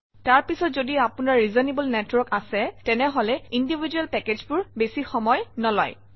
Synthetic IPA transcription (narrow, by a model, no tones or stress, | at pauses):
taɹpisɔtzodiapunaɹɹizɔnebulnɛtwɔɹkasɛtɛnɛɦɔlɛindibʱid͡ʒuɛlpɛkezbʊɹbesixɔmɔjnɔlɔj